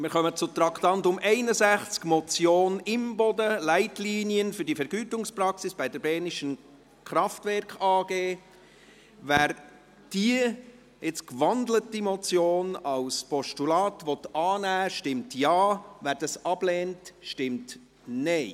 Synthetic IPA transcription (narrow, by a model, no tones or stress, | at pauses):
mɪːɾχœmət͡sʊt̪ɾɑktɑntʊmʔɛɪnəzæχt͡skmɔt͡sjoːnɪmbɔdəlæɪtliːniənfʏɾdifɛɾɡ̥yːtʊŋspɾɑksɪsb̥ɛɪdəɾbɛːniʃən | kɾɑftvɛɾkʰɑːɡ̥eː | væːɾ | d̥iə | ɪt͡skʋɑndlətimɔt͡sjoːnɑwspɔʃtulɑːtʋɔt̪ɑːnæːʃtɪmtjɑːvæːɾd̥ɑsɑb̥lɛːntʃtɪmt | nɛɪ